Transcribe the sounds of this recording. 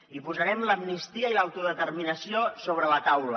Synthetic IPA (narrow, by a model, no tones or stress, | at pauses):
ipuzəɾɛmləmnist̪iəilawt̪uðət̪ərminəsiosoβɾələt̪awlə